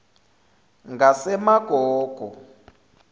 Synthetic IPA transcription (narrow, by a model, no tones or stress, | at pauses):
ŋɡasɛmaɡ̥ʱɔːɡ̥ʱɔ